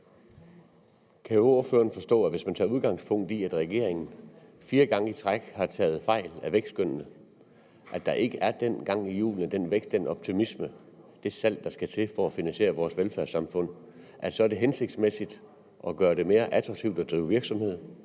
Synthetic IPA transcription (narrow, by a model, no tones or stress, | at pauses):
kʰæjooɐføːɐnfɒ̽sd̥ɔ̰̽ːæʋe̝smænt͡sʰɑ̰̈ːuð̞ˠɡ̥ɑ̈ŋspʰɔ̽ŋ̰d̥iæd̥ʁɛɡ̥e̝̰ɐeŋn̩fiːɐɡ̥ɑ̈ŋəit͡sʰʁɑɡ̥hɑ̈t͡sʰɛ̰ːð̞̩ˠfɑ̈ɪ̰læʋeɡ̥sd̥ɡ̥øn̰nə | ʔæd̥ɑ̈ʔe̝ɡ̥əʔæɐd̥en̰ɡ̥ɑ̈ŋ̰ijṵːlən̩d̥enʋeɡ̥sd̥d̥enɒ̽b̥̚t͡sʰimismə | d̥e̝sæl̰d̥ɑ̈sɡ̥æt͡sʰe̝fɒæfinænɕe̝̰ːɐʋɒːsʋelfæɐsɑ̈mfɔ̽n̰ | ʔæ̥sɒ̽æɐɾ̥e̝ɦense̝ɡ̥̚d̥smesid̥ | ʔɒ̽ɡ̥ɶːɐɾ̥e̝me̝ːɐʔæt͡sʰʁɑ̈ɡ̥̚t͡sʰiʊd̥ɒd̥ʁiːʊʋiɐɡ̥sɒ̽mhe̝ð̰ˠ